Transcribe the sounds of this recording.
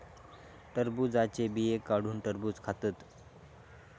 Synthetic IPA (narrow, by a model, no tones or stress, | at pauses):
ʈəɾbud͡zat͡ɕebiekaɽ̤uːnʈəɾbuːt͡skʰat̪ət̪